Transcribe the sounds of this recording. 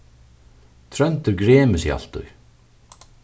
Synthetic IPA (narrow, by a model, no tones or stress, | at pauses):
t̪ʰɾœnt̪ʏɾɡɾɛːmɪsia̰l̥t̪ʊ̰j